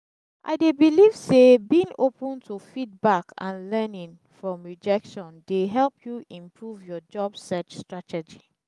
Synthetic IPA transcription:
ʔa̰ɪdebiliv̥sebĩŋopə̃ntʰufit̚bakʰã̰nlɛnĩn | fɹɔ̃mɹid͡ʒɛkʃɔ̃ndeɦɛlpʰjuʔĩmpʰɹuvjɔd͡ʒɔbsɛt͡ʃstɹatɛd͡ʒi

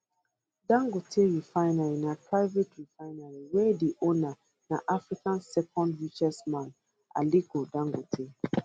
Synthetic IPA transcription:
dãŋɡotʰeɹifaɪnaɹinapɹaɪvetɹifaɪnaɹiwɛdiʔona | naʔafɹikãnsɛkɔ̃ndɹit͡ʃɛsmãn | a̰liɡodãŋɡotʰe

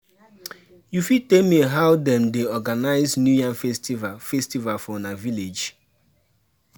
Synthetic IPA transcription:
jufitemieɦaʊdɛmdeɔɡanaɪznjujãnfɛstivafɛstivalfɔnaviled͡ʒ

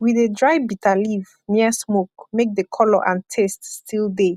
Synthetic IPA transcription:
wiðedɹaɪbitʰaliv | niəsmokmek̚ðəkʰɔlɔʔãntʰeststʰilˠde

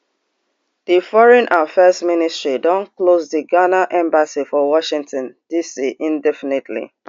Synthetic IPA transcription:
ð̥ifɔɹɛ̃nʔafɛzministɹidɔ̃nklozðiɡanaʔɛ̃mbasifɔwɔʃĩŋtɔ̃nd̥isiʔĩndɛfinetʰlḭ

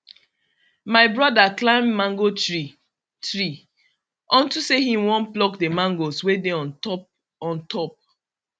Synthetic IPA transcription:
maɪbɹɔdaklãɪ̃mːãŋɡoi | tɹi | ɔ̃ntuseɦĩmwɔ̃nplɔkdemãŋɡoswedeɔ̃n | ɔ̃ntʰɔp̚

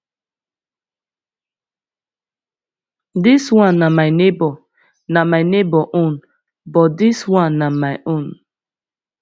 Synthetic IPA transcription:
dɪswãnːamaɪnebɔ | namaɪnebɔʔõn | bɔtdɪswãnːamaɪʔõn

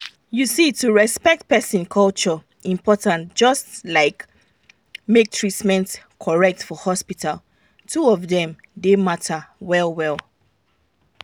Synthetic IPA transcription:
jusituɹɛspɛk̚t̚pɛsĩnkʰɔlˠt͡ʃɔ | ĩmpʰɔtãntd͡ʒ̥ʌstlaɪk | mek̚tʰɹitmɛ̃nt | kʰɔɹɛk̚tfɔhɔspitʰal | tʰuɔvðɛ̃m | dematʰəwɛlˠwɛlˠ

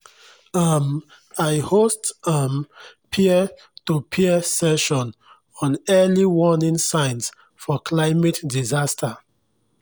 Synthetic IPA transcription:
am | ajhostampʰiɛ | tupʰiɛsɛʃɔ̃n | ɔ̃nɛliwɔnĩnsãɪns | fɔkʰlaɪmetdizastʰa

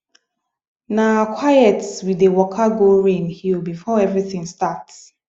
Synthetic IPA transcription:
nakʰwajɛtswidewɔkʰaɡoɹẽnhilbifɔɛvɹiθĩŋstats

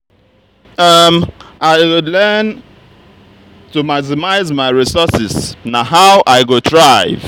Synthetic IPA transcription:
ʌmaɪwʊlɛn | tumaksɪmaɪzmaɪɹisɔsɪsnaɦawʔaɪɡodɹaɪv

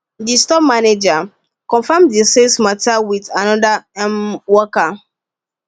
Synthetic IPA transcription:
distɔp̚maned͡ʒa | kɔ̃nfamdisesmatawidanɔdaɛmwɔka

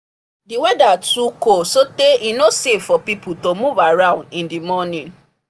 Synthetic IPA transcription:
diwɛdatukosoteʔinosevfɔpiputomuvaɾãʊ̃ndĩndimɔnĩn

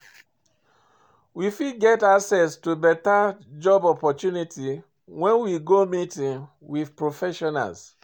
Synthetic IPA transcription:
wifidɡɛtaksɛstubɛtad͡ʒɔbɔpɔtjuniti | wɛ̃nwiɡomitĩŋ | wið̥pɹofɛʃɔna̰ls

